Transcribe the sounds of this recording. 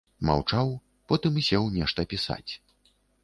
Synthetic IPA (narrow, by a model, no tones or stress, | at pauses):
ma̰wt͡ʂaw | pɔt̪ɨmsʲɛwnʲɛʂt̪ɐpʲisa̰t͡sʲ